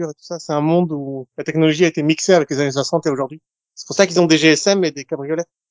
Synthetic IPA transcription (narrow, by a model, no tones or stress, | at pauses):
yʁet̪u̥sasɛt̪ɛ̃mɔ̃d̪ulat̪ɛknɔlɔʒiaet̪emikseavɛklezanes̬wasɑ̃t̪eoʒuʁd̪ɥi | sɛ̥puʁsakilzɔ̃d̪eʒeɛsɛmed̪ekabʁijɔlɛt̪